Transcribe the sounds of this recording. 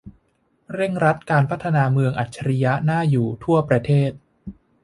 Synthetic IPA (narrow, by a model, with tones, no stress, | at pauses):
ɾe˥˩ŋɾa˦˥t̪̚kaː˧npʰa˦˥t̪ʰːa˧naː˧mɯ˧əŋʔa˨˩t̪̚t͡ɕʰa˧ɾi˧ja˦˥naː˥˩juː˨˩t̪ʰu˥˩əpɾa˧t̪ʰeː˥˩t̪̚